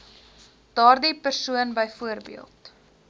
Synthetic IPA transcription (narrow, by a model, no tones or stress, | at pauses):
d̥ɑːrdipərsuənbəjfuərbḭəlˠt